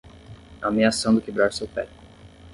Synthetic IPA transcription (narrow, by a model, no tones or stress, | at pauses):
amiasɐ̃w̃d̪ʊkebɾaɾsewpɛ